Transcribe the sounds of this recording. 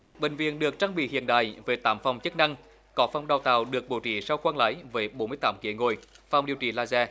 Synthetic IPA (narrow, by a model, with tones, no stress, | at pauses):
ɓï˨ŋ̟vḭ˧˨ənɗɨ˨˩ək̚t͡ɕaː˧ŋɓḭ˧˨hḭ˧˨ənɗa̰ː˧˨jveː˨˦jt̪aː˨˦mfa˨˩wŋ͡mt͡ɕɨ˦˥k̚na˧ŋ | kɔ˨˦fa˨˧˩wŋ͡mɗa˨˩wt̪a̰ː˧˨˩wɗɨ˨˩ək̚ɓo˨˩wt͡ɕḭ˧˩sa˧wxwaː˧nla̰ː˨˦jvəː˨˦jɓo˨˦nmɨ˧jt̪aː˨˦mkḭ˧˩əŋo˧˨˩jfa˨˩wŋ͡mɗi˨əwt͡ɕḭ˧˩laː˧zɛ˧